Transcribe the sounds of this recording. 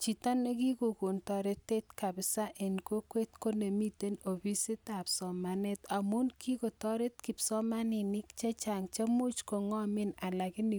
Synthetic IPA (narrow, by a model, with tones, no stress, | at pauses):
t͡ʃi˨ta˦ne˦ki˦ko˨ko˨ntɔ˨ɾe˦tːe˦tka˨bɪ˨sa˦ʔe˨nko˦kwe˦t̚ko˦ne˨mi˦te˦no˨pi˦si˦t̪a˨psɔ˨ma˨ne˦t̪a˨mu˦nkʰi˦ko˨tɔ˦ɾe˦tki˨psɔ˦ma˦nɪ˨nɪ˦kt͡ʃe˦t͡ʃa˨ŋt͡ʃa˦mu˦t͡ʃko˨ŋɔ˦mɪ˦na˨la˨kɪ˦ni˨